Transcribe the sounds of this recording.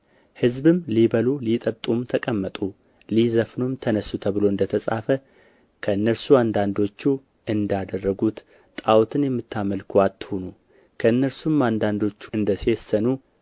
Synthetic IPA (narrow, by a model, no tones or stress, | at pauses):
hɨzbɨmlibəlulit̪ʼət̪ʼumt̪ʰəkʼəmːət̪ʼu | lizəfnumt̪ʰənəsːut̪ʰəβɨlo̞ɨnd̪ət̪ʰəsʼa̰fə | kʰəɨnːəɾsuand̪and̪o̞t͡ʃːu | ɨnd̪ad̪ərːəɡut̪ | t̪ʼawt̪ʰɨnjɛmːɨt̪ʰːaməlkʰwat̪ːhonu | kʰəɨnːəɾsumand̪and̪o̞t͡ʃːuɨnd̪əsesːənu